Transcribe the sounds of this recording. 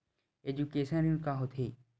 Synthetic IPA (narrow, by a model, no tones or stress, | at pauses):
ed͡ʑukeːʃənũkaɦʊt̪ʰeː